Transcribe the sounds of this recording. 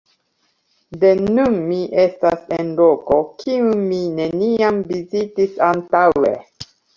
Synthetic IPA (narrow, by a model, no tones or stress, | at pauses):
de̞nunmiʔe̞stasenlo̞ko̞kʰiunmine̞niamvizitisantawḛ